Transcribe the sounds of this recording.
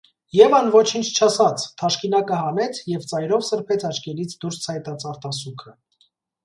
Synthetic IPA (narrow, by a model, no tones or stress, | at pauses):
jɛvɑnvɔt͡ʃʰint͡ʃʰt͡ʃʰɑsɑt͡sʰt̪ʰɑʃkinɑkəhɑnɛt͡sʰjɛvt͡sɑjɾɔvsəɾpʰɛt͡sʰɑt͡ʃkɛlit͡sʰd̪uɾst͡sʰɑjt̪ɑt͡sʰɑɾt̪ɑsukʰə